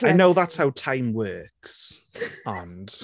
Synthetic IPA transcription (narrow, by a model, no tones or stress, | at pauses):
ajnoʊðatshawtʰãɪ̃mwɜːks | ə̃nd̥